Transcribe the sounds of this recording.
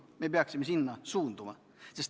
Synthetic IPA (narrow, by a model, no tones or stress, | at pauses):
mebeɑksimːesinːɑsuːnd̪umɑ̰ | sest